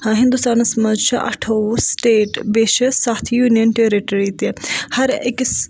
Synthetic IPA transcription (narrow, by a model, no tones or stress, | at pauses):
hãɦĩnd̪ust̪aːnɐsmɐd͡ʒt͡ʃʰɐʔɐ̰ʈʰɐʋsʈeːʈbeːʃɐsaːt̪ʰjuːnijənʈeɾiʈɐɾit̪ihɐɾḛks